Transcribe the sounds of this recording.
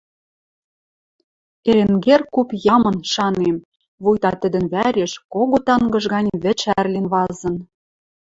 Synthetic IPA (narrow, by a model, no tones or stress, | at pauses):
eɾeŋɡerkupjɑmɤ̆nʃɑnem | βujt̪ɑt̪ə̆d̪ə̆nβæɾʲeʃkoɣot̪ɑŋɡɤ̆ʒɣɑnʲβɘ̆t͡ɕærlenβɑzɤ̆n